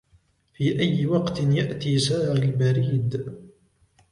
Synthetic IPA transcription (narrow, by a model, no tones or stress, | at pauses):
fiːʔajːɪwɑqt̪ɪnjaʔt̪iːsaːʕalbaɾiːd̪